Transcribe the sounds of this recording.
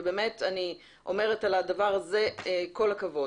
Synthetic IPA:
beːme̞tani | ʔo̞̰me̞ʁetaladavaʁazeko̞lhakavo

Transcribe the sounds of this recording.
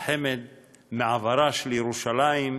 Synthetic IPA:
ħemed̪ | meʕavaɾaʃlejeɾuʃalajim

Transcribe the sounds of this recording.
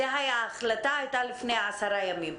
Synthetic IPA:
eɦajaːχlat̪aːjt̪alifnejaasaɾajamim

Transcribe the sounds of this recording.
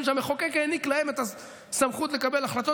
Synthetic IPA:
mʃameχokekeniklahemet̪a | samχut̪lekabelaχlat̪o

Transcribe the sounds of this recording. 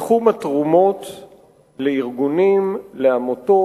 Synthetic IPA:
χumatʁumot̪ | leiʁɡunimleamoto

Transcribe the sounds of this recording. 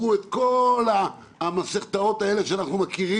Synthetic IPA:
uet̪kola | maseχt̪ao̞t̪ae̞leʃeanaχnumakiʁi

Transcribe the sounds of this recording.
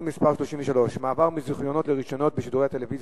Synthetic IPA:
mispaʁʃloʃimveʃalo̞ʃmaːvaʁmiziχjo̞no̞tleʁiʃo̞no̞t̚beʃiduʁeat̪eleviz

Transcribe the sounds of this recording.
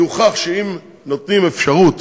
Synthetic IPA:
uχaχʃeim | no̞t̪nimefʃaʁut̪

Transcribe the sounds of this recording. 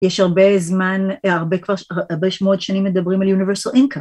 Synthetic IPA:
jeʃhaʁbezmanaʁbekvaʁaʁbeʃmood̪ʃanimːed̪ɐbʁimaljuniveʁsalʔinka

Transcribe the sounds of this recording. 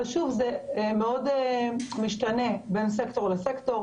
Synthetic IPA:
ʃuvzemeo̞d | miʃtane̞be̞ns̬ekto̞ʁlesekto̞

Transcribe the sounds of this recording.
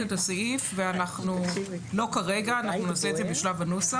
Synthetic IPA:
etasaifveanaχnulo̞kaʁe̞ɡaːnaχnunaseetzebeʃlavanusa

